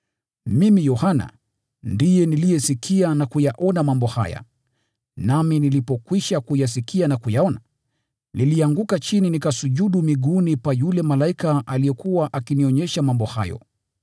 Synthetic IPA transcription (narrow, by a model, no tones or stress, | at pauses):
mimijɔhana̰ | ndijɛnilijɛsikʰianakujaʔɔnamambɔha̰ja̰ | naminilipɔkwiʃakujas̬ikianakujaɔna | niliaŋɡukat͡ʃininikasuʄuɗumiɠunipwajulɛmalaikaʔalijɛkuwaʔakiniɔɲɛʃamambɔha̰jɔ̰